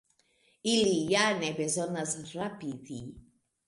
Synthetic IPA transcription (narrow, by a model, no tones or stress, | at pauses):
ilijanebezonasrapidi